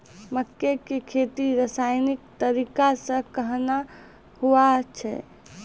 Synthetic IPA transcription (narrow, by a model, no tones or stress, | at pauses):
məkːekekʰet̪iɾəsajnik̚t̪əɾikasə̃kəɦna | huat͡ʃʰɛ̰